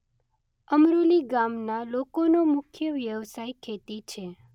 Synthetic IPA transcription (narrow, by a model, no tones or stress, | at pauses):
əmɾuliɡamnalokonomʊkʰjəʋjəʋsajkʰet̪it͡ʃʰe